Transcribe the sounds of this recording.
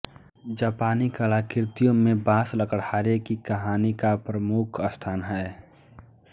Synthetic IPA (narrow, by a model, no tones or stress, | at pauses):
d͡ʒaːpaːnikəlakɪɾt̪ijõmẽbaːsləkəɽhaːɾekikəɦaːnikapɾəmukʰəst̪ʰaːnɦɛː